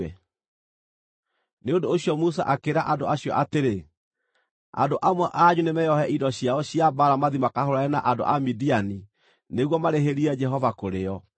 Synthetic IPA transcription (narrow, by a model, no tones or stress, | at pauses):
ɛ | neondoːɕiɔmusa̰ʔakeɾaʔadoaɕiɔ̰ʔateɾe | a̰ndoʔamwɛʔaɲunemɛjɔhɛʔidɔɕjaɔɕiabaɾamaðimakahoɾaɛnaʔando̰ʔamidiani | neɣwɔmaɾeɦeɾiɛd͡ʒɛɦɔvakoɾeɔ